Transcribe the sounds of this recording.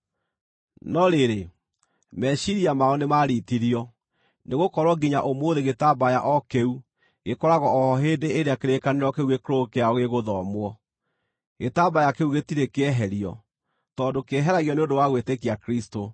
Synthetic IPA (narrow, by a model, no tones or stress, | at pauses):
nɔɾeɾe | mɛʃiɾiamaɔnemaɾitiɾiɔ | neɣokɔɾwɔɡiɲaʔomoːðeɣetabajaʔɔkeu | ɣekɔɾaɣɔɔhɔɦeːndeːɾeakeɾekaneɾɔkeuɣekɾokeaɔɣeɣoðɔmwɔ | ɣetabajakeuɣetiɾekeɛɦɛɾiɔ̰ | tɔdokeɦɛɾaɣjɔneodowaɣwetekiakɾisto